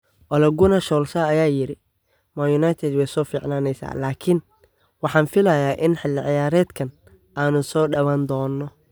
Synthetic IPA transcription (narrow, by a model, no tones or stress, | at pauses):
ʔɔlɛɡʊnɐʃɔːlʃɐːjaːjɪɾɪ | majʊnajt̪ʰɛd̪wɛjsɔːfiːʕnaːnɛjsa̰ːlaːkʰɪn | wɑħɑːnfɪlɐjaːʔɪnħɪlːɪʕɪjaːɾɛːd̪kʰɐn | ʔaːnʊsɔːɖɐwaːnd̪ɔːnːɔ